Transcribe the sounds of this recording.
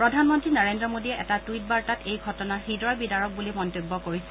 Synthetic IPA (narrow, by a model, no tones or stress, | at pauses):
pɹɔdʱanmɔntɹinaɹendɹɔmodijɛʔɛtatuijt̚baɹtatejɡʱɔtɔnaxidɔjbidaɹɔk̚bulimɔntobːɔkoɹisɛ̥